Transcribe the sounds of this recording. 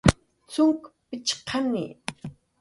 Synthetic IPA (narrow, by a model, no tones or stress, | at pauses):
t͡sʊŋkpɪt͡ʃqʰɑnɪ̰